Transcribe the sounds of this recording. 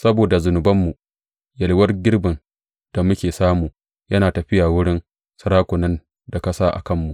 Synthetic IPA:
sɐ˦boː˨da˨zʊ˨nʊ˨bɐ˦mːu˨ | jɐ˨lwɐ˦rɡʲɪ˦rbɪ˨n | d̥a˨mʊ˦kʲeː˨saː˦muː˨ | jɐ˦naː˨tɐ˨ɸɪ˦jaː˨wʊ˦ɽɪ˦n | sɐ˦ɾaː˦kʷʊ˨nɐ˦n | da˨kɐ˦saː˦ʔa̰˨kɐ˦˨mːu˨ʔ

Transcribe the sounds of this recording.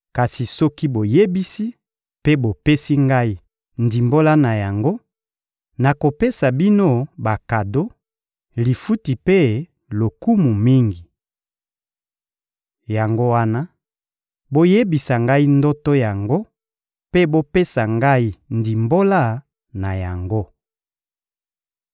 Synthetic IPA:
ka˨si˨sɔ˦ki˦bo˨je˦bi˦si˦ | pe˦bo˨pe˦si˦ŋɡa˦i˦ | ndi˨mbo˦la˦na˨ja˨ŋɡo˦ | na˨ko˨pe˦sa˨bi˦no˦ba˨ka˨do˦ | li˨fu˦ti˨pe˦ | lo˨ku˦mu˨mi˦ŋɡi˨ | ja˨ŋɡo˦wa˦na˦ | bo˦je˦bi˨sa˨ŋɡa˦i˦ndo˦to˦ja˨ŋɡo˦ | pe˦bo˦pe˦sa˨ŋɡa˦i˦ndi˨mbo˦la˦ | na˨ja˨ŋɡo˦

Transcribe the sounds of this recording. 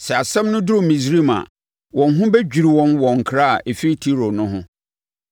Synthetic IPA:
sɛ˨a˨sɛ̃˦mnʊ̃˦dʊ˦ɾʊ̃˨mĩ˨s̬ɾi˦mã̰˨ | wʔɔ̃˨nɦʊ̃˦bɛ˦d͡ʑᶣi˨ɾi˨wɔ̃˦nwɔ̃˨ŋ̩˨kʰɾa˦a̰˨ʔe˨fi˦ɾi˦tʰi˦ɾo˨nʊ̃˦ɦʊ̃˦

